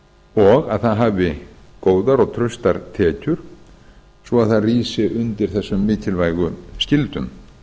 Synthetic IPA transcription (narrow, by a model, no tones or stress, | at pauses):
ɔɣaðθaðɦaːvɪkoːwðaɾɔɣt̪ʰɾœɥst̪aɾ̥t̪ʰɛːcʏɾ̥ | svɔaðθaðriːsɪʔʏnt̪ɪɾ̥θɛsːʏmːɪːt̪ʰɪlvajɣʏscɪlt̪ʏm